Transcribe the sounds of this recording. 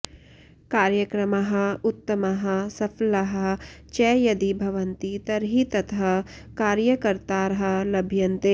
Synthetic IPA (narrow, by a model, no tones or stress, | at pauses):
kaːɾjɐkɾɐmɐɦɐ̆ʊt̪ːɐmɐɦɐ̆sɐpʰlɐɦɐt͡ʃɛːjɐd̪ibʱɐʋɐnt̪it̪ɐɾɦit̪ɐt̪ʰɦɐ | kaːɾjɐkɐɾt̪aːɾɦɐlɐbʱjɐnt̪eː